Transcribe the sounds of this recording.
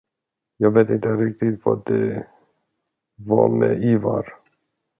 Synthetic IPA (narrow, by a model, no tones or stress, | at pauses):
jɑːɡveːt̪ɪnt̪əɾɪk̚t̪ɪt̪vɑd̪ɛ | vɑmɛivaɾ